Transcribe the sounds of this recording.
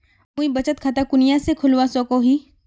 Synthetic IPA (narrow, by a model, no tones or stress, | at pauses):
ũĩbɐt͡ʃət̪̚kʰaːt̪akʊnijasekʰʊlwasɔːkoɦiː